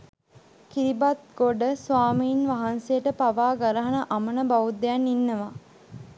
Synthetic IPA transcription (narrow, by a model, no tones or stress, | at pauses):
kiɾibat̪̚ɡoɖəsʋaːmiːnʋaɦansejəʈəpaʋaːɡaɾəɦanəʔamənəbaʋud̪ejanːinːəʋa